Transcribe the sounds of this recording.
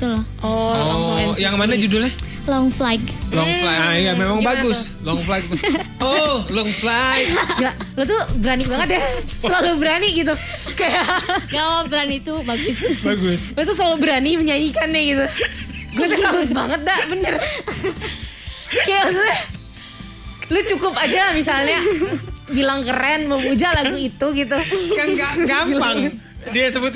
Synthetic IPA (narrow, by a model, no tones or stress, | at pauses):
t̪ʊlaʔɔlɔŋflajaŋmanad͡ʒudʊlah | lɔŋflajɡlɔŋlajamemaŋbaɡʊslɔŋflajk̚t̪ʊɔlɔŋflajkd͡ʒalot̪ubəɾanibaŋət̪̚jasəlalubəɾaniɡit̪̬u | kajaɡawabəɾanit̪ubaɡʊsbaɡʊslot̪us̬əlalubəɾaniməɲaɲikanːɛɡit̪uɡuat̪assəbʊt̪̚baŋət̪̚daʔbənər | kajaasuɲa | lʊt͡ʃukʊpad͡ʒalmis̬alɲa | bilaŋkəɾɛnməmud͡ʒalaɡuit̪uɡit̪̬ukanɡaɡampaŋ | diasəbʊt̪̚